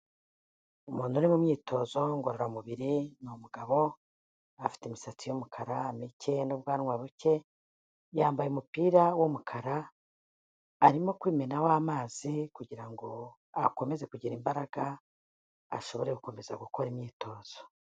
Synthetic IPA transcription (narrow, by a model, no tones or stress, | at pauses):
umuːnhunimumɲiːtʰo̞ːzo̞ŋɡoɾoɾamuβiɾinomuɡaβo̞ | afi̥timisat͡sijomukʰaɾaːmice̞noβɡwaːɾwaβuce̞ | jaːmbajeumupiːɾawomukʰaɾa | ɾimo̞kwiːme̞nawaːmaːzikuɟiɾaŋɡo̞ | ako̞me̞ze̞kuɟiɾimbaɾaɡ̥a | a̰ʃo̞βo̞ɾe̞kuko̞me̞za̰ɡuko̞ɾimɲiːtʰo̞ːz̥o̥